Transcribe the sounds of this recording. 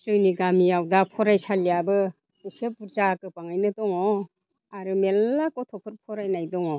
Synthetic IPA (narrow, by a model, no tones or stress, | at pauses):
sɯjniɡamiawdapʰɔɾajsaljabɯ | ɯsepuɾzakɯpaŋajnɯtɔŋɔ | aɾɯmelːakɔtʰɔpʰɯɾpʰɔɾajnajdɔŋɔ